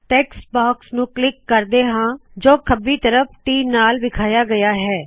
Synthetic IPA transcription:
ʈɛːksbaːksnũːklɪkːəɾd̪eːɦãːd͡ʒoːkʰəbiːt̪əɾəp̚ʰʈiːmnaːlʋɪkʰaːjaːɡəjaːɦɛː

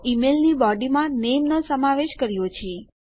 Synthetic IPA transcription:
imelnibɔɖimãnemnəsəmaʋeʃkəɾjot͡ʃʰe

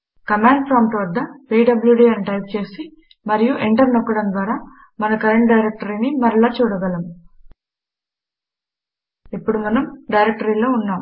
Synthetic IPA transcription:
kɐmaːɳɖpʰɾaːmʈʋɐd̪ːɐpiːɖɐbljuɖiɐnʈɐjp̚t͡ʃe̞ːsi | mɐɾijuʔeɳʈɐɾnɔkːɐɽɐnd̪ʋaːɾaː | mɐnɐkɐɾeɳʈ̚ɖɐjɾek̚ʈɐɾinimɐɾɐɭaːt͡ʃuːɽɐɡɐlɐm | ipːuɽumɐnɐmɖɐjɾek̚ʈɐɾiːlo̞ːunːaːm

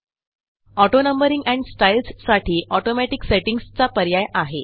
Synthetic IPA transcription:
ɔʈonəmbəɾiŋɡæ̃ɳɖsʈajilssaʈʰiːʔɔʈomæʈikseʈiŋɡst͡sapəɾjajaɦe

